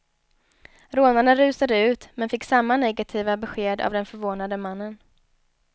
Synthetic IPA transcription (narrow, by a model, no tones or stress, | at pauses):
ɾoːnaɳaɾʉ̟ːsad̪əʉ̟ːt̪mɛnfɪkːsamːanɛɡat̪ʰiːvabɛɧeːd̪a̰vd̪ɛnfœɾvoːnad̪əmanːən